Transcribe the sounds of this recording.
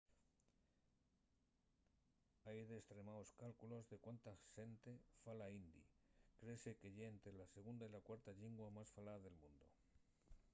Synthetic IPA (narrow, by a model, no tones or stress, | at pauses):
ajðe̞ːst̪ɾe̞maoskalkulo̞zðe̞kwant̪axe̞nt̪e̞falaind̪ḭkɾe̞se̞ke̞ʝeːnt̪ɾelase̞ɣ̞und̪ailakwaɾt̪aʎiŋɡwamasfalaðe̞lmũnd̪o̞